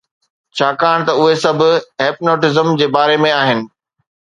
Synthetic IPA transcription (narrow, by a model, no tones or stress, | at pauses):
t͡ɕʰaːkaːɽ̃t̪ɐʊɦesɐbʱʊ̆eːpnoːʈɪzəmd͡ʑeːbaːɾemẽaːɦɪnɪ̆